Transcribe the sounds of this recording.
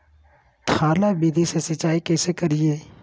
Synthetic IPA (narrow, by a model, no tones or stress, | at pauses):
t̪ʰaːlaːbiːd̪ʱiːseːsət͡ʃaːiːkɛːseːkəɾɪeː